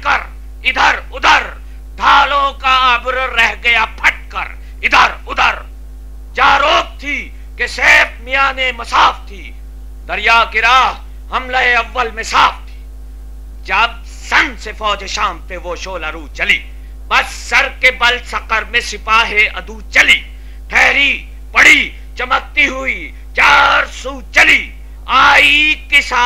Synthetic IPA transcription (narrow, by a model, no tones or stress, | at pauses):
kɐɾ | ɪd̪ʱəɾʊd̪ʱəɾ | d̪ʱaːlõːkaɐbɾːɛɦɡɐjaːpʰɐʈ̚kɐ̰ɾ | ɪd̪ʱəɾʊd̪ʱəɾ | d͡ʒaːɾoːk̚t̪ʰiː | keseːfmijaːnemɐsaːft̪ʰiː | d̪ɐɾjaːkɪɾaːɦ | ɦɐmlaeɐʋːəlmẽsaːft̪ʰi̥ː | d͡ʒɐb̚ | sɐ̃nsefɔːd͡ʒeʃaːmt̪eʋoːʃoːlaɾuːt͡ʃɐliː | bɐsːɐɾkebɐlsɐqəɾmẽsɪpaːɦeɐ̰d̪uːt͡ʃɐliː | ʈʰɛːɾi | pɐɽ̤iː | t͡ʃɐmək̚t̪iɦui | t͡ʃaːɾsuːt͡ʃɐliː | aːikesaː